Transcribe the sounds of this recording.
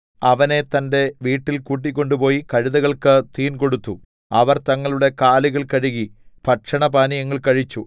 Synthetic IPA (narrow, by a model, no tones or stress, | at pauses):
ɐʋɐne̞t̪ɐnde̞ʋiːʈːilkuːʈ̬ːikʲːo̞ɳɖupo̞ːjikɐɻiðɐɣɐɭkɨt̪iːnko̞ɽut̪ːu | ɐʋɐrt̪ɐŋːɐɭuɽe̞kaːliɣɐɭkɐɻiɣipʰɐʈʂɐɳɐpaːnijɐŋːɐɭkɐɻit͡ɕːu